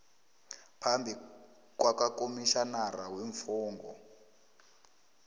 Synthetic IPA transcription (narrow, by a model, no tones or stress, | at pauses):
pʰambʱi | kwakakomiʃanaraweɱfɔːŋɡɔ̰